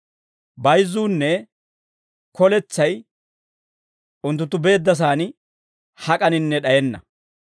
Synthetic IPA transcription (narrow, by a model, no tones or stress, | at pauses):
bɐjzːuːnːɛ | kʰɔlɛt͡sːɐj | ʊnt̪ːʊnt̪ːʊbe̞ːd̪ːɐs̬aːnɪ | hɐkʼɐnɪnːɛɗɐjɛnːɐ̰